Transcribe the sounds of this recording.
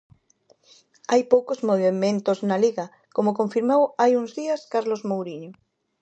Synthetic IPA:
ajpowkozmoβemẽnt̪oznaliɣa | komokoɱfiɾmawajuŋzðiaskaɾlozmowɾiɲo

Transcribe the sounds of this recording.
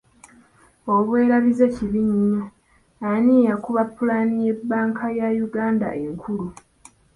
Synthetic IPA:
o̞βwe̞ːɾaβize̞ciβiɲiɲaː | nijakuβapːulanije̞bːaːŋkʰajajuɡaːnda̰ʔeŋkʰulu

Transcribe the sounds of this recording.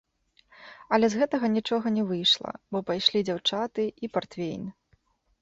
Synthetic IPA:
ɐlʲɛzɣɛt̪ɐɣɐnʲit͡ʂɔɣɐnʲɛvɨjʂlˠɐ̰bɔpajʂlʲid͡zʲawt͡ʂat̪ɨipart̪fʲḛjn

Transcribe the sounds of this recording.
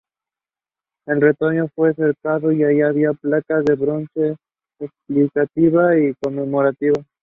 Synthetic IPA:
e̞lre̞t̪o̞ɲo̞fwese̞ɾkaðo̞iajiaβiaplakaðe̞βɾo̞nse̞ː | ksplikat̪iβaiko̞me̞mo̞ɾat̪iβa

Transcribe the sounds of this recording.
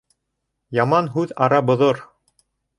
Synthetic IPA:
jɑmɑnɦʉðɑɾɑbŏðoɾ

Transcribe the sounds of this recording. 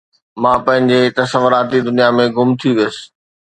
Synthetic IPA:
mãːpɐ̃ɦɪ̃ɲd͡ʑet̪ɐsəʋʊɾaːt̪id̪ʊnijamẽɡʊmt̪ʰijuʋijəsɪ̥̆

